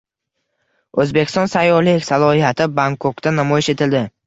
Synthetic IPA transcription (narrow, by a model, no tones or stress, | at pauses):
ɵzbekʲɪ̥st̪ɒnsajːɒlɪkʲsalˠɒhijat̪ʰɪbaŋkʰokt̪anamɒjɪʃe̞t̪ʰɪld̪ɪ